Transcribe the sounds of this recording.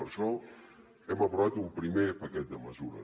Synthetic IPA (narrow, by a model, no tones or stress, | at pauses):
əɾʃɔ | ɛməpɾuβat̪umpɾimepəkɛt̪̚d̪əməzuɾə̰